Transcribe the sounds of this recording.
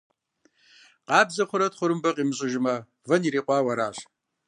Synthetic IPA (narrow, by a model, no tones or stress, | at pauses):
qɑːbzɐχʷʊɾɐtχʷʊɾɨmbɐqʼiːmɨɕʼɪʒɪmɐ | vɐniɾiːqʷʼɑːwɐɾaːɕ